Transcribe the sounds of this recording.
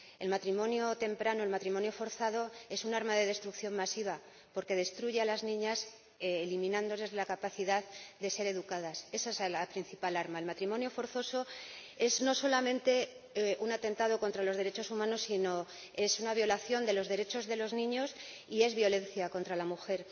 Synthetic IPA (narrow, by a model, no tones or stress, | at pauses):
e̞lmat̪ɾimõ̞njot̪e̞mpɾanoe̞lmat̪ɾimõ̞njo̞fo̞ɾθaðo̞e̞sunaɾmaðe̞ð̞e̞st̪ɾukθjo̞mmasiβ̞a | po̞ɾke̞ð̞e̞st̪ɾuʝe̞alaznĩɲasː | limĩnãnd̪o̞le̞zlakapaθiðaðd̪e̞se̞ɾe̞ðukaðase̞saezlapɾin̟θipalaɾmaelmat̪ɾimo̞njo̞fo̞ɾθo̞so̞ | e̞sno̞so̞lamẽ̞nt̪e̞ | unat̪e̞nt̪að̞o̞kont̪ɾalo̞zð̞e̞ɾe̞t͡ʃo̞sumãno̞sːino̞ | e̞sunaβ̞jo̞laθjo̞nd̪e̞lo̞zðe̞ɾe̞t͡ʃo̞zðe̞lo̞znĩɲo̞s | ie̞zβjo̞le̞n̟θjako̞nt̪ɾalamuxe̞ɾ